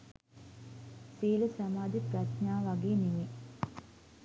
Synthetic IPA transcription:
siːləsamaːd̪iprasnaːʋaɡeːnimi

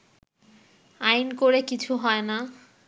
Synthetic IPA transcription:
ajnkoɾekit͡ɕʰuɦɔena

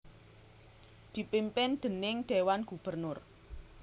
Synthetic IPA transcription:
d̪̥i̤pimpɪnd̪̥ə̤nɪŋɖ̪̥e̤wanɡ̥ṳb̥ərnʊr

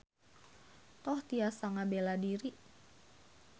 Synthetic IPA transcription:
t̪ɔht̪iasaŋabeladiɾi

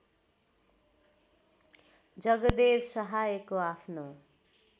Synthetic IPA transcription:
d͡zʌɡʌd̪ebsʌɦajkoapʰno

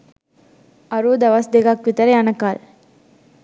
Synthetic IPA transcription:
ɐɾuːd̪ɐʋasd̪eɡaːkʋɪt̪ɐɾɐɐnɐkːaːl

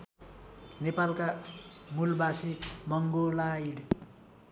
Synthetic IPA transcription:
nepalkamulbasimʌŋɡolaiɽ

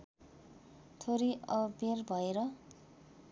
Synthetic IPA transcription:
t̪ʰoɾiʌbʱerbʱʌeɾʌ

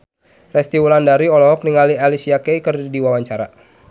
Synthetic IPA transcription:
rɛst̪iwulandaɾiɔlɔɦɔk̚niŋalialisijakɛikərdidiwawaɲt͡ʃaɾa

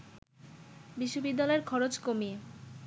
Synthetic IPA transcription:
biʃːobid̪ːalɔeɾkʰɔɾot͡ɕkomie

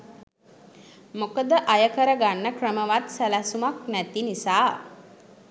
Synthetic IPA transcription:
mokəd̪əʔajəkəɾəɡanːəkrəməʋat̪sælæsumaknæt̪inisaː

